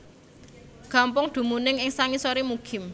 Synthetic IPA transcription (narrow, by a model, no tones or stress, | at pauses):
ɡ̥a̤mpʊŋd̪̥ṳmunɪŋɪŋsaŋisoɾimuɡ̥ɪ̤m